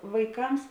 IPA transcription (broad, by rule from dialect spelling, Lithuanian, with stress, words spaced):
ʋɐɪˈkɐms